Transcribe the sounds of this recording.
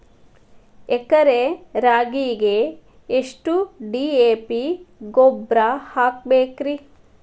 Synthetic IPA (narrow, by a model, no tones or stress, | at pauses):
ekɐɾeɾaːɡiːɡeː | ʂʈuɖiːeːpiɡoːbɾahaːk̚beːkɾi